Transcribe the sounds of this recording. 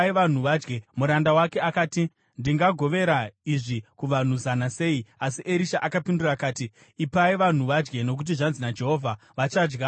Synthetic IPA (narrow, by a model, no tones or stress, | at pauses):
iʋan̤uʋad͡ʒɡemuɾandawake̞akaːti | ndiŋɡaɡʱo̞ʋe̞ɾaiʐikuʋan̤uzanase̞ːiasiʔeɾiʃaʔakapindurakaːti | ipaiʋan̤uʋad͡ʒɡe̞no̞k̬ut̬iʐanzinad͡ʒe̞ɦo̞vʱa | ʋat͡ʃad͡ʒɡa